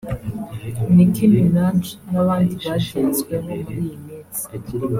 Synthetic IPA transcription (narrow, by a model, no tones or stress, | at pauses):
nikʰinunaːnt͡ʃnaβaːndiβaʃiːnzɡwemomuɾijimiːzi̥